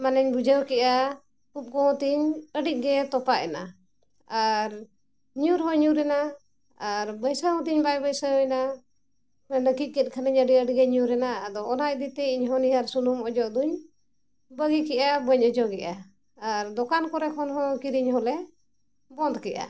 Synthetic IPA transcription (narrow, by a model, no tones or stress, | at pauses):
manɛɲbud͡ʒəwkɛʔa | kup̚ɡɔɔ̃t̪iɲəɖiʔ̚ɡɛt̪ɔpaʔɛna̰ | aɾ | ɲuɾɦɔ̃ɲuɾɛna | aɾbəjsəɦɔ̃t̪iɲbajbəjsəɔ̃ɛna | mɛnəkikɛt̪̚ˀkʰanəɲəɖiəɖiɡɛɲuɾɛnaːd̪ɔːnaʔ̚d̪it̪ɛiɲɦɔ̃niɦaɾsulumɔd͡ʒɔʔd̪uɲ | bəɡikɛʔabəɲɔd͡ʒɔɡɛʔaː | ɾd̪ɔkankɔɾɛkʰɔnɦɔ̃kiɾiɲɦɔlɛ | bɔnd̪kɛʔa̰